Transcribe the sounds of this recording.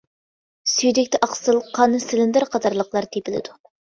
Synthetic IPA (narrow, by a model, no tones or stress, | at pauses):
syjd̪ɪkʲt̪ɛʔɑqsɨlˠqʰɑnɨsɪlɪnd̪ɪɾqʰɑt̪ɑɾlˠəqlˠɑɾt̪ʰepʰɪlɪ̰d̪u